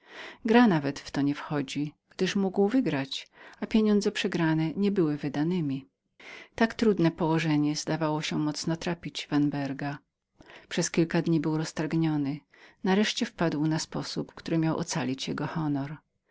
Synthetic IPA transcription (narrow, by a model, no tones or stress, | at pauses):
ɡɾanavɛt̪ft̪ɔɲɛfxɔd͡ʑiɡ̥d̪ɘʂmuɡwvɘɡɾat͡ɕapʲjeɲɔnd̪zɛpʂɛɡɾanɛɲɛbɘwɘvɘd̪anɘmʲi | t̪akt̪ɾud̪nɛpɔwɔʐɛɲɛzd̪avawɔɕɛmɔt̪snɔt̪ɾapʲid͡ʑvanbɛɾɡa | pʂɛskʲilkad̪ɲibɘwɾɔst̪aɾɡɲɔnɘ | naɾɛʂt͡ɕɛfpad̪wnaspɔsupkt̪uɾɘmʲjawʔɔ̰t̪salʲit͡ɕjɛɡɔxɔnɔɾ